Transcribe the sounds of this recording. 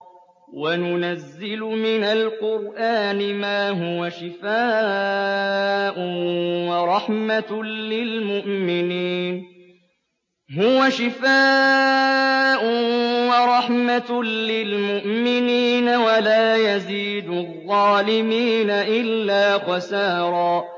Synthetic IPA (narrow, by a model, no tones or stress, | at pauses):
wanʊnazːɪlʊmɪnalqʊɾʔaːnɪmaːɦʊwaʃɪfaː | ʔʊwɑɾˤɑħmalɪlmʊʔmɪniːn | ɦʊwaʃɪfaː | ʔʊwɑɾˤɑħmalɪlmʊʔmɪniːnawalaːjaziːd̪ʊðˤːɑːlɪmiːnaʔɪlːaːxɑsaːɾˤɑː